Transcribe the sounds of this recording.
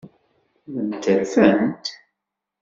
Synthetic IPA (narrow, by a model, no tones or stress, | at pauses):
ðənt̪ːəɾfənt̪